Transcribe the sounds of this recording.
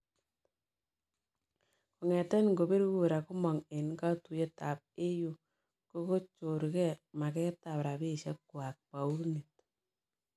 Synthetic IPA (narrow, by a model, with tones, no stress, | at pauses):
ko˨ŋɛ˨tɛ˦nŋɡo˨be˦ɾku˦e˨ɾa˨ku˦mɔ˨ŋe˨nka˦tu˨je˦ta˨p̚e˦ju˦ | ko˦ko˦t͡ʃo˨ɾkɛ˦ma˨kɛ˦ta˨pɾa˨be˦˨ʃɛ˦kːwa˨k̚pa˨u˦ɾni˨t̚